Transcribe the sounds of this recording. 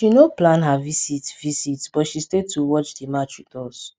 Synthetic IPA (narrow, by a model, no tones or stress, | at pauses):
ʃinoplãnɦavisitvisitb̥ɔtʃistetʰuwɔt͡ʃdimat͡ʃwitɔs